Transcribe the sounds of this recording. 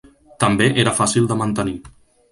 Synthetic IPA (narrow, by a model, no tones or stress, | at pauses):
t̪əmbeʔeɾəfasilˠd̪əmənt̪əni